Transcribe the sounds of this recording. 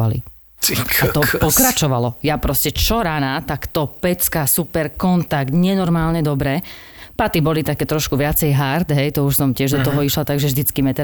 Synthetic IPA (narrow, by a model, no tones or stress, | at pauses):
alḭ | at̪ɔpɔkɾat͡ʃɔʋalɔjapɾɔscɛt͡ʃɔɾanat̪akt̪ɔpɛt͡skasupɛɾkɔnt̪aɡt̪ɲɛnɔɾmaːlɲɛd̪ɔbɾɛː | pat̪ibɔlit̪akɛːt̪ɾɔʃkuʋɪat͡sɛjɦaɾt̪ɦɛjt̪ɔuʃsɔmcɪɛʒd̪ɔt̪ɔɦɔiʃlat̪aɡʒɛvʒd̪it͡skimɛt̪ɛ